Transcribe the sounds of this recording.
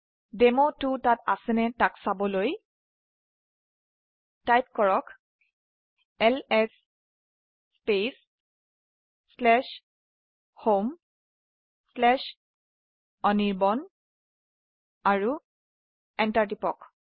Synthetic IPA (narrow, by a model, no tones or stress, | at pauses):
demotutata̰sɛnɛtaksabɔloj | tajp̚kɔɹɔk | ɛlɛs | pes | lɛʃ | hom | slɛʃ | ɔniɹbɔn | aɹu | ɛntaɹtipɔk